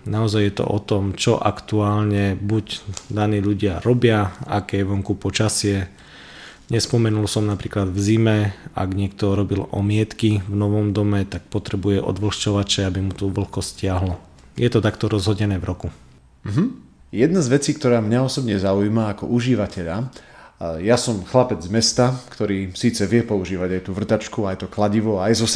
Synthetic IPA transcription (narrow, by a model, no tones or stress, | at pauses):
naɔzajːjɛt̪ɔ̰ʔɔt̪ɔmt͡ʃɔʔakt̪uaːlɲɛbuɟd̪aniːʎuɟɪaɾɔbɪaakɛːjʋɔŋkupɔt͡ʃasɪɛ | ɲɛspɔmɛnulsɔmnapɾiːklad̪vzimɛa̰ɡɲɪɛk̚t̪ɔɾɔbilɔ̰mɪɛt̪kivnɔʋɔmd̪ɔmɛt̪ak̚pɔt̪ɾɛbujɛʔɔ̰d̪ʋl̩xt͡ʃɔʋat͡ʃɛabimut̪ɔʋl̩kɔscɪaɦlɔ | jɛt̪ɔt̪akt̪ɔɾɔzɦɔɟɛnɛːvɾɔku | m̩ɦm̩ | jɛd̪nazʋɛt͡siːkt̪ɔɾaːmɲaɔsɔbɲɛzaujmaːkɔ̰ʔuʒiʋacɛʎa | jasɔmxlapɛd͡zmɛst̪akt̪ɔɾiːsiːt͡sɛʋɪɛpɔuʒiːʋaɟajt̪uʋr̩t̪at͡ʃkuajɛt̪ɔklaɟiʋɔajzɔs